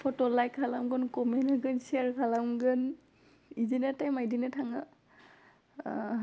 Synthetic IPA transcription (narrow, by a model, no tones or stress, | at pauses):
pʰɔtɔlajkʰalamɡɯnkɔmɛlaɡɯnsiaɹkʰalamɡɯn | izinɛtajmajdinɛtʰaŋa